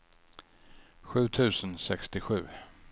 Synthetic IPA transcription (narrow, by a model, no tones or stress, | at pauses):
ɧʉ̟ːt̪ʰʉ̟ːsənsɛkst̪ɪɧʉ̟ː